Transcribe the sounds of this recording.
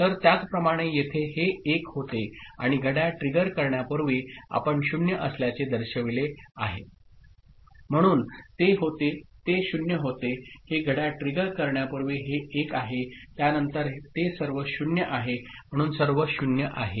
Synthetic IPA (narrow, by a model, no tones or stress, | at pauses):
t̪əɾt̪jat͡spɾəmaɽ̃ejet̪ʰeɦeːkɦot̪ea̰ɽ̃iɡʱəɽjaʈɾiɡəɾkəɾɳjapəɾʋia̰pəɳɕunjəʔəsljat͡sed̪əɾɕəʋileaɦe | m̤əɽ̃uːnt̪eɦot̪et̪eɕunjəɦot̪eheɡʱəɽjaʈɾiɡəɾkəɾɳjapəɾʋiɦeʔːkaɦet̪janənt̪əɾt̪esəɾʋəɕunjəʔaɦem̤əɽ̃uːnsəɾʋəɕunjəʔa̰ɦe